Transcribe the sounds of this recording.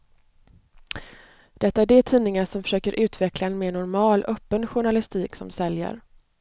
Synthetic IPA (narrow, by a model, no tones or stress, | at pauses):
d̪̥ɛt̪ːaæɖeʈ̪ʰiːnɪŋaʂɔmfœ̥ʂøːkəɾʔʉ̟ːt̪vɛklaɛnmeːnʊɾmɑːlʔœpːənɧʊɳalɪst̪iːksɔmsɛljə̰ɾ